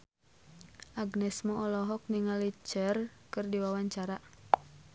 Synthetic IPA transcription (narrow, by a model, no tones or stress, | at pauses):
ʔaɡnɛsmɔʔɔlɔɦɔk̚niŋalit͡ʃɛrkɨrdiwawaɲt͡ʃaɾa